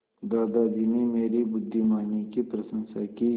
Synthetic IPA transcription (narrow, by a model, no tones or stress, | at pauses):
d̪aːd̪ad̪inimeːɾibʊd̪ʱːimaːnikipɾəsə̃nsaki